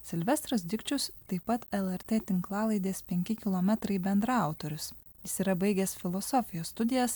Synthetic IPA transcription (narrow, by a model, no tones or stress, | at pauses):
sʲɪlʲʋʲɛst̪ɾos̬d̪ʲɪkt͡ʃʲʊst̪ɐɪpɐt̪ɛlˠɛɾʲt̪ʲeːt̪ʲɪŋklˠɑːlˠɐɪd̪ʲeːspʲɛŋʲkʲɪkʲɪlˠɔmʲɛt̪ɾɐɪbʲɛnd̪ɾɐʊt̪oɾʲʊs | jɪsiːɾɐbɐɪɡʲɛsfʲɪlˠɔsɔfʲɪjoːst̪ʊd̪ʲɪjɛs